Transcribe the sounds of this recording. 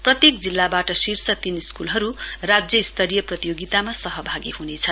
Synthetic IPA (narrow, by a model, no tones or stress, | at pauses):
prʌt̪jek̚d͡zilːabaʈʌsirsʌt̪iniskulɦʌɾurad͡zjʌist̪ʰʌɾijʌprʌt̪ijoɡit̪amasʌɦʌbʱaɡiɦunet͡sʰʌn